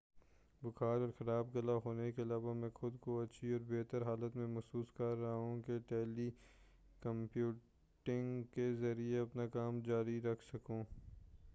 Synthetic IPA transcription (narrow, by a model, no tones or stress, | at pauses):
bʊkʰaːɾɔːɾxɐɾaːbɡɐlaɦoːnekeɐlaːʋamɛ̃ːxʊd̪koɐtːʃʰiɔːɾbeːt̪əɾɦaːlət̪mẽmɐsuːskɐɾːɦũkeʈɛːli | kɐ̃mpjuː | ʈɪ̃ŋɡkezɐɾieɐpnakaːmd͡ʒaːɾiɾɐkʰsɐkũː